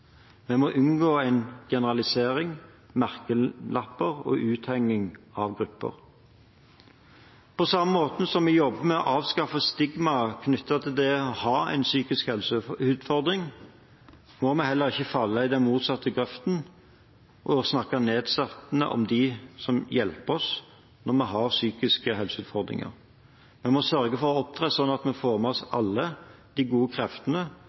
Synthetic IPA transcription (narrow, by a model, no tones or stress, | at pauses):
mɛmɔʔʉnɡoːæɪnɡ̥ɛnəʁɑlɪseːʁɪŋ | mæʁkəlʔɑpːəʁɔ̰ʔʉːt̪hɛŋːɪŋɑʋɡʁʉpːə̰ʁ | pʰɔsɑmːəmoːt̪n̩sɔmːɛjɔbːəmɛɔʔɑːʋskɑfːəst̪ɪɡmɑkʰnʏt̪ːɑt̪ʰɪld̪ɛɔhɑːæ̰ɪnsyːkɪskhɛlsʉːd̪fɔʁd̪ʁɪŋ | mɔmɛhɛlːəɾɪçːəfɑlːəɪd̪ɛnmuːt̪sɑt̪ːəɡɾɛft̪n̩ | ʔɔsnɑkːɑneːd̪sɛt̪nə̰ʔɔ̰md̪ɪsɔmjɛlpəɔs | nɔʁmɛɦɑɾsyːkɪskəɦɛlsəʉːt̪fɔʁd̪ɾɪ̰ŋə̰ɾ | mɛmɔsœʁɡəfɔɾɔɔp̚t̪ʰʁeːsɔnːɑt̪mɛfoːməɔsɑlːəd̪̥ɪɡuːəkʰɾɛft̪ənə